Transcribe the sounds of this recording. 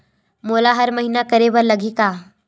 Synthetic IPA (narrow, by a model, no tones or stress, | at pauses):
molaɦəɾməɦinakəɾeʋəɾləɡʱiːka